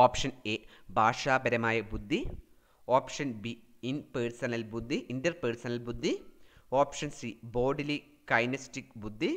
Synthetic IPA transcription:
oːpʂɐneːbʱaːʂaːbɐɾɐmaːjɐbud̪ʱːi | oːpʂɐnbi | inpeːɻsɐnɐlbud̪ʱːiʔindɐrpeːɾsɐnɐlbud̪ʱːioːpʂɐnsiboːɖili | kɐjnɐstikbud̪ʱːi

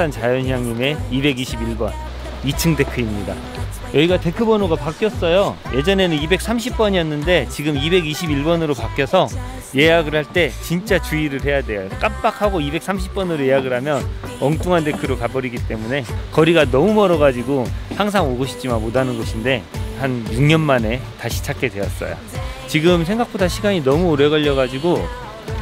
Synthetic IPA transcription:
sʰant͡ɕajʌnɦjaŋɲime̞ibe̞ɡiɕʰibiɭbʌn | it͡ɕʰɯŋde̞kʰɯimɲida̰ | jʌiɡate̞kʰɯbʌnoɡapak͈jʌs͈ʌjoje̞d͡ʑʌne̞nɯnibe̞k̚s͈ʰamɕ̬ʰip̚p͈ʌɲiʌnːɯnde̞t͡ɕiɡɯmibe̞ɡiɕʰibiɭbʌnɯɾopak͈jʌsʰʌ | je̞jaɡɯɭhaɭt͈e̞t͡ɕint͡ɕ͈at͡ɕuiɾɯɭɦe̞jadwe̞jok͈ap̚p͈akʰaɡoibe̞k̚s͈ʰamɕʰi̥p̚p͈ʌnɯɾoje̞jaɡɯɾɦamjʌn | ʌŋt͈ʰuŋɦande̞kʰɯɾokabʌɾiɡit͈e̞mune̞kʌɾiɡanʌmumʌɾʌɣad͡ʑiɡohaŋs̬ʰaŋoɡoɕʰi̥t͡ɕ͈imanmodanɯnɡʌɕʰinde̞hanjuŋɲʌnmane̞taɕʰi̥t͡ɕʰak͈e̞dwe̞jʌs͈ʌ̰jo̰t͡ɕiɡɯmsʰe̞ŋɡak̚p͈odaɕʰiɡaɲinʌmuːɾeɣʌʎːʌɣad͡ʑiɡo

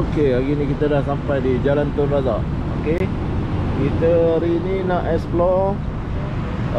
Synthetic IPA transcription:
okelaɡinikit̪adahsampajdid͡ʒalant̪ɔnrazaʔ | oke | kit̪əɾininaʔɛsplɔ

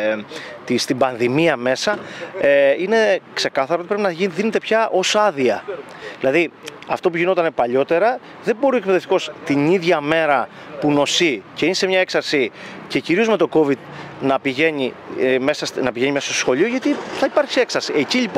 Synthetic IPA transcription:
t̪ist̪imbɐnðimiɐme̞sɐeine̞kse̞kɐθɐɾot̪ipɾepinɐʝiðine̞t̪e̞pçɐʔo̞sɐðiɐ | ðilɐðiɐft̪o̞p̬uʝino̞t̪ɐnepɐʎo̞t̪e̞ɾɐ | ðe̞bo̞ɾue̞k̚peðeft̪i̥ko̞st̪iniðʝɐme̞ɾɐ | puno̞sice̞inise̞mɲɐe̞ksɐɾsice̞ciɾio̞zme̞t̪o̞ko̞vid̪nɐpiʝe̞ɲimesɐsnɐpiʝe̞ɲimesɐst̪osxo̞ʎio̞ʝɐt̪iθɐipɐɾçie̞ksɐɾsieciʎipo

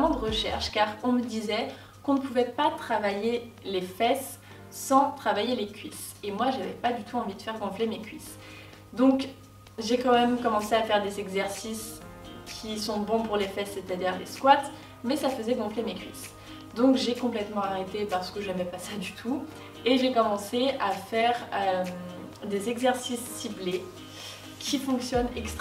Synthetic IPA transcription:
mɑ̃d̪əʁəʃɛ̰ʁʃkaʁɔ̃məd̪izɛ | kɔ̃nəpuvɛpat̪χavajelefɛsː | ɑ̃t̪χavajelekʲɥis | emwaʒavɛ̰pad̪yt̪ʰuɑ̃vid̪əfɛʁɡɔ̃flemekʲɥis | d̪ɔ̃k | ʒekɑ̃mɛmkɔmɑ̃seafɛʁd̪ezɛɡzɛʁsis | kʲʰisɔ̃bɔ̃puʁlefɛsːet̪ad̪iʁlḛskwat̪ | mɛsafəzɛɡɔ̃flemekʲɥḭs | d̪ɔ̃kʒekɔ̃plɛt̪mɑ̃aʁet̪epaʁsə̥kəʒəvɛpasad̪yt̪ʰu | eʒekɔmɑ̃seafɛʁøm | d̪ezɛɡzɛʁsisːible | kʲʰifɔ̃ksjɔnɛkst̪

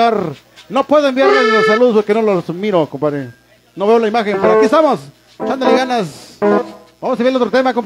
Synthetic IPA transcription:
aɾ | nopweðoembjaɾleslos̬aluðospoɾkenolosmiɾokompaɾe | noβeolaimaxempeɾoakiest̪amos | t͡ʃand̪oleɣanas | bamosabalot̪ɾot̪emakom

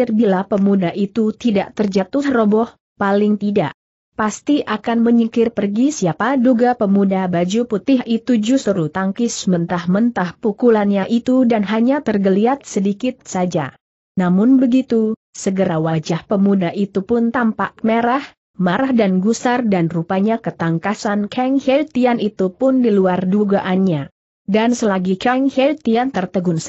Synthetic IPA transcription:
ɪrbilapəmudaʔit̪ut̪idaʔt̪ərd͡ʒat̪ʊhrobɔh | palɪŋt̪ida̰ʔ | past̪iʔakanməɲəkɪrpərɡisiapaduɡapəmudabad͡ʒuput̪ɪɦit̪ud͡ʒust̪əɾut̪aŋkɪsmənt̪ahmənt̪ahpukulanɲaʔit̪udanɦaɲat̪ərɡəliat̪̚sədikɪt̪̚sad͡ʒa̰ | namʊnbəɡit̪u | səɡəɾawad͡ʒahpəmudaʔit̪upʊnt̪ampak̚meɾah | maɾahdanɡusardanrupaɲakət̪aŋkasankʰɛŋhɛlt̪ianit̪upʊndiluarduɡaʔanɲa | dansəlaɡikɛŋhɛlt̪iant̪ərt̪əɡʊŋs

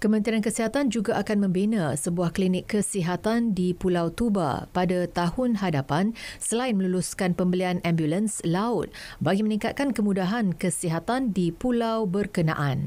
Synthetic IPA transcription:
kəmə̃nt̪ɾiankəsiɦat̪and͡ʒuɡaʔakanmə̃mbinãsəbuahklinɪkːəsiɦat̪andipulawt̪uba̰padat̪ahʊnɦadapansəlaɪnmə̃luluskanpəmbəlianʔambjulənslaʊt̪̚baɡimənĩŋkat̪̚kankəmũdaɦankəsiɦat̪andipulawbərkənã̰ʔan

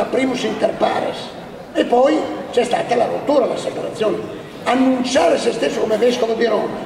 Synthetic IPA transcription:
apɾiːmusint̪erpa̰ːɾḛs | epɔjt͡ʃɛst̪a̰ːt̪alarut̪ːuːɾalasepaɾat̪sːjoːn | anːunt͡ʃaːɾesest̪esːokomeveskovebiɾɔna

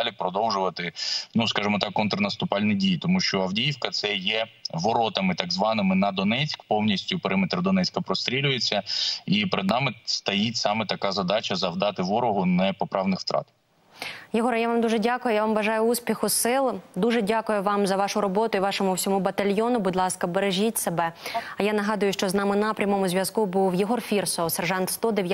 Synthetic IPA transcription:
lʲipɾɔd̪ɔwʒʊʋɐt̪ɪnuskɑʒɪmɔt̪ɑkːɔnt̪ɾɐnɐst̪ʊpɑlʲnijdʲijt̪ɔmuʃt͡ʃɔɐwdʲijiwkɐt̪sɛjɛʋɔɾɔt̪ɐmɪt̪ɑɡzʋɑnɪmɪnɐd̪ɔnɛt͡sʲkpɔwnʲisʲtʲʊpeɾɪmɪt̪ɾɐd̪ɔnɛt͡sʲkɐpɾɔst̪ɾʲilʲʊjet͡sʲːɐipeɾɪd̪nɑmɪst̪ɐjitʲsɑmɛt̪ɐkɑzɐd̪ɑt͡ʃɐzɐʋd̪ɑt̪ɪʋɔɾɔɦʊnɛpɔpɾɑʋnɪxft̪ɾɑ̰t̪ | jɪɦɔɾjaʋɑmd̪uʒɛdʲakʊjʊjaʋɑmʋɐʒɑjʊusʲpʲixʊsɪlˠd̪uʒɛdʲakʊjʊʋɑmzɐʋɑʃʊɾɔbɔt̪ʊiʋɑʃɔmʊwsʲɔmubɐt̪ɐlʲjɔnʊbud̪ʲlˠɑskɐbeɾeʒʲitʲsebɛɐjanɐɦɑd̪ʊjʊʃt͡ʃɔznɑmɪnɐpɾʲɐmɔmʊzʲʋʲjɐzkubuwjɪɦɔrfʲirsɔsɛrʒɑnt̪st̪ɔd̪ɪw

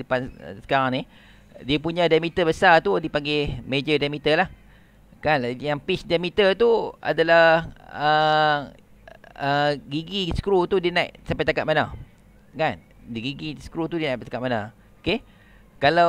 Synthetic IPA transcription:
əpan̰sə̥kaɾaŋni | diəpuɲãdamit̪əbəsat̪udipaŋɡemed͡ʒədamit̪əlah | kanjaŋpisdamit̪ət̪ua̰dalaə | əɡiɡisə̥kɾut̪udiənajʔsampajt̪akat̪̚mana | kan | dɡiɡisə̥kɾut̪udinaʔt̪akaʔ̪mana | oke | kala

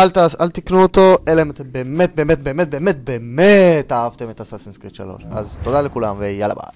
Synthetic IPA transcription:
alt̪aalt̪iknuot̪o̞ʔelaemat̪embemet̪̚be̞ːmet̪̚be̞ːmet̚be̞ːmet̪̚beːmet̪aːavt̪e̞met̪asasinskʁit̪ʃa̰lo̞̰ʃa̰zt̪od̪alekulamvejala̰ba̰

